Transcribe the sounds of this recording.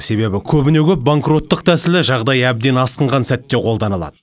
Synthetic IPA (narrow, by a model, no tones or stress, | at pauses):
se̞be̞bɪkʲʰɵbɪne̞kʲʰɵp̚baŋkro̞t̪ːəq̚t̪ʰæsɪlɪʒɑʁd̪ɑjæb̚d̪e̞nɑsqəɴʁɑnsæt̪ːe̞qʰo̞lˠd̪ɑnəlˠɑ̰d̪ə